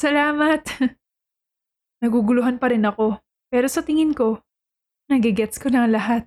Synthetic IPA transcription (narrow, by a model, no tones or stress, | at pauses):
sɐlaːmɐt̪ | nɐɡuɡʊlʊɦanpɐɾɪnɐko̞ | pɛːɾo̞sɐt̪ɪŋɪnko̞ | nɐɡɪɡɛt̪skonɐŋlɐɦat̪̚